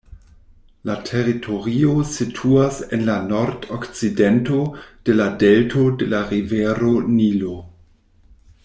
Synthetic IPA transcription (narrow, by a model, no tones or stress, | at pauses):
latʰeɾitʰoɾiositʰuasenlanoɾdokt͡sidento̞d̥e̞ladeltʰo̞delaʁiveɾonilo